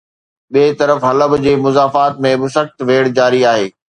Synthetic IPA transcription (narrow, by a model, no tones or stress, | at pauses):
ɓiːt̪ɐɾəfɦɐləbd͡ʑeːmʊzaːfaːt̪mẽbɪsəxt̪ʋeːɽd͡ʑaːɾiaːɦeː